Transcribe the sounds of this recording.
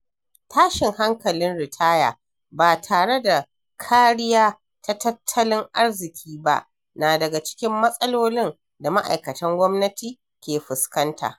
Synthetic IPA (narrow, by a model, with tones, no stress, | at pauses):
tʰaː˦ʃɪ˨ŋha˦ŋkɐ˨lɪ˦nɽɪ˨tʰaː˦jaː˨ | baː˨tʰaː˨ɽe˦da˨ | kʰaː˦ɽɪ˦jaː˦ | ta˦tɐ˦tʰːɐ˦lɪ˦ŋʔa˦ɽzɪ˨kʲʰiː˦ba̰˦ʔ | naː˨dɐ˨ɡa˨t͡ʃɪ̥˦kʲɪ˦mːɐ˦sʼɐ˦loː˦lɪ˦n | da˨ma˦ʔa̰˨jkɐ˨tɐ˦ŋɡʷɔ˦mnɐ˦tʰiː˨ | kʲeː˨ɸɪ˨skɐ˦ntʰa̰ː˨ʔ